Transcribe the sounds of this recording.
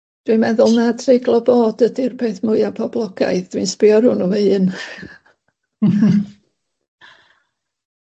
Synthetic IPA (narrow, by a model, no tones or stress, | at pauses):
d̥wimɛðʊlˠnadreɡlˠɔboːdədirbeːθmʊɨapʰɔblˠɔɡ̥a̰jðd̥winspɪɔɾʊnɔveɨːn